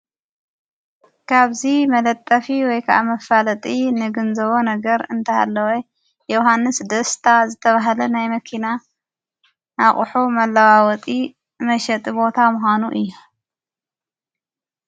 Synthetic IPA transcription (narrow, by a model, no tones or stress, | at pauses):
kʰaβzimɐlɐt̪ʼːɐfiwɔjkʰaʔa̰mɐfalɐt̪ʼinɨɡɨnzɐβonɐɡɐɾɨnt̪ʰɐa̰lːɐwɔ | jɛwɦanːɨsd̪ɐst̪ʰazɨt̪ʰɐβaɦlɐnajmɐkʰina | ʔaχʼħumɐlːawawɔt̪ʼi | mɐʃɐt̪ʼibo̞t̪ʰamʊxanuʔɨjːu